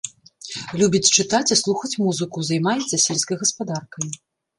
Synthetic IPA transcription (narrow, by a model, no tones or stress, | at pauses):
lʲubʲit͡sʲt͡ʂɨt̪at͡sʲislˠuxɐt͡sʲmuzɨkuzɐjmajɛt̪sːɐsʲelʲskɐjɣɐspad̪arkɐj